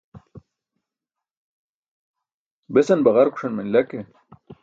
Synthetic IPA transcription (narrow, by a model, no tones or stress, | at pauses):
besɐnbaʁaɾku̥ʂɐnmenlake